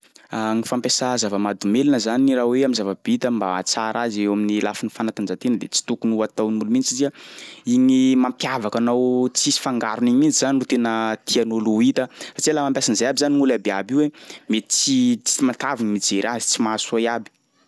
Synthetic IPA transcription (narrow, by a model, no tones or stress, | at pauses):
aŋifampesazavəmad̪umelanəzaniraweamizavabit̪əmba̰ːt͡saɾazewaminilafinifanat̪and͡ʒat̪enəd̪et͡si̥t̪ukunuat̪awnimulumint͡siiziaiɲimampjavakanawt͡sisi̥faŋɡaɾuniɲimind͡ʒizaninrut̪enət̪ʰianoluit̪əsaʈ͡ʂialamampjasanzajabizaniŋulabeabiwemet͡sit͡si̥imat̪avinimid͡zeɾazi̥t͡simasuajabi̥